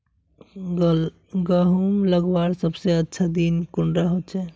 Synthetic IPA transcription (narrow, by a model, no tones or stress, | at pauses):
ɡəɦumləɡwaɾsəbseətːʃʰad̪inkuɳɖɾaɦot̪̚t͡ʃʰɛ